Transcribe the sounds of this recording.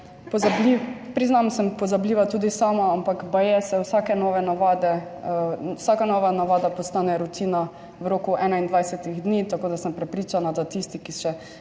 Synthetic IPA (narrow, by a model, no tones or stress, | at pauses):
pɔzblipɾiznamsɛmpɔzabliːʋat̪uːd̪isaːmaampakbajɛsɛwsakɛnɔːʋɛnaʋad̪ɛ | wsakanɔːʋanaʋaːd̪apɔst̪aːnɛɾut̪iːna | wɾoːkuʔɛːnaind̪ʋajsɛt̪iɣd̪niːt̪akoːd̪asəmpɾɛpɾiːt͡ʃanad̪at̪ist̪ikiʃɛ